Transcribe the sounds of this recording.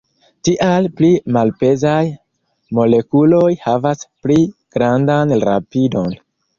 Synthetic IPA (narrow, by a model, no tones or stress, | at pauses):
tiʔalplimalpe̞zaj | mo̞le̞kulo̞jhavaspliɡ̥ɾandanɾa̰pido̞n